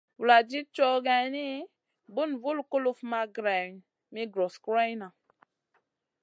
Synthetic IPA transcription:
wu˨la˨d͡ʒi˦t͡ʃɔ˦ɡɛ˨ni˦ | bu˦nvu˦lku˦lu˦fma˨ɡɾɛ˨n | mi˦ɡɾo˨skɾa˦jna˨

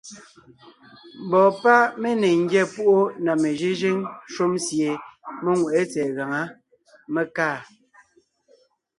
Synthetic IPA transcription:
m˨bɔ˨pa˦me˦ne˨ŋ̩˦ɡjɛ˦˨pu˦ʔo˦na˨me˨ʒi˦ʒe˦ŋʃo˦msje˨me˦ŋwe˨ʔe˦t͡sɛ˨ɣa˨ŋa˦ | me˦kaː˦˨

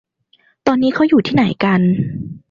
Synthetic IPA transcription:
t̪ɔː˧nːiː˦˥kʰa˦˥wjuː˨˩t̪ʰiː˥˩na˩˦jka˧n

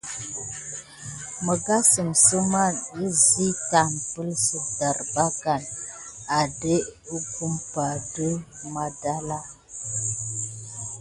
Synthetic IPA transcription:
mə˨ɡa˦sə˨msə˦ma˦ni˦zi˦ka˨m˨pə˦lsə˨da˨ɾba˦ɡa˨na˨de˦u˦ku˦mpa˨də˦ma˦da˦la˦

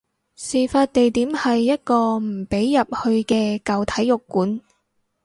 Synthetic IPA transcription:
siː˨˩faː˧t̚t̪e˨jt̪iː˨˥mhɐ˨jːɐ˥t̚kɔː˧m̩˨˩pe˨˥jːɐ˨p̚hɵ˧ɥkɛː˧kɐ˨wt̪ʰɐ˨˥jːʊ˨kːuː˨˥n

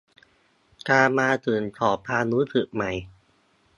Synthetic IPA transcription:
kaː˧maː˧t̪ɯː˨˩nt̪ʰɔː˨˩p̚ʰːaː˧nuː˦˥sʰɯ˨˩ʔ̚ma˧˩j

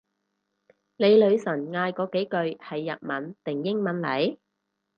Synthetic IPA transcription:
le˨˧jlɵ˨˧ɥsɐ˨˩nŋaː˧jkɔː˨˧ke˨˥jkɵ˨ɥhɐ˨jːɐ̰˨t̚mɐ˨nt̪ɪ˨˩ŋjɪ˥ŋmɐ˨˥nlɐ˨˥j

